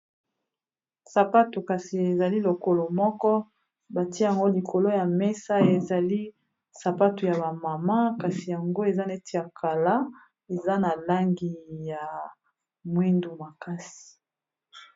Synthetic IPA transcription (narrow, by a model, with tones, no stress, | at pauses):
sa˨pa˦tu˨ka˨si˨e˨za˨li˦lo˨ko˨lo˨mɔ˦kɔ˦ | ba˨ti˦ja˨ŋɡo˦li˨kʰo˨lo˦ja˨me˦sa˦e˨za˨li˦ | sa˨pa˦tu˨ja˨βa˨ma˨ma˦ka˨si˨ja˨ŋɡo˦e˨za˦ne˦ti˦a˨kʰa˨la˦ | e˨za˦na˨la˦ŋɡi˨ja˨ | mwi˦ndu˨ma˨ka˦si̥˨